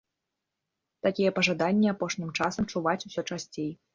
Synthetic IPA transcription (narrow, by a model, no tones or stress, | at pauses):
t̪akʲijɛpɐʐad̪anʲːiapɔʂnʲimt͡ʂasɐmt͡ʂuvat͡sʲusʲɔt͡ʂasʲt͡sʲej